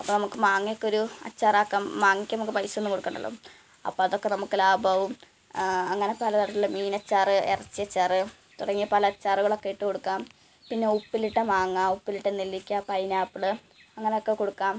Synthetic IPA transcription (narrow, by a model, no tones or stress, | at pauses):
ɐpːonɐmukːɨmaːŋːijokːeoɾuɐ̰t͡ɕːaːraːkːaːmːaːŋːikʲːnɐmukːɨpɐjsenːɨkoɽukːeɳɖɐ̰ɭːo̰ː | ɐ̰pːoːɐðo̞kːenɐmukːɨlaːbɐʋum | ɐŋːɐne̞pɐlɐt̪ɐɽɐt̪ːilmiːnɐt͡ɕːaːrɨerɐt͡ɕːiɐt͡ɕːaːrɨ | t̪uɽɐŋːijɐpɐlɐːt͡ɕːaːruɣɐɭo̞kːe̞jiʈːɨko̞ɽukːaːm | pinːe̞upːiliʈːɐmaːŋːaupːiliʈːɐnilːikʲːɐpɐjnaːpːɨɽɨ | ɐŋːɐnejo̞kːekoɽukːaːm